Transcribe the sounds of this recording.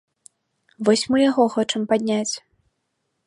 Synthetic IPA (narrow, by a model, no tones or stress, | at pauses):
vɔsʲmɨjaɣɔxɔt͡ʂɨmpad̪ʲnʲat͡sʲ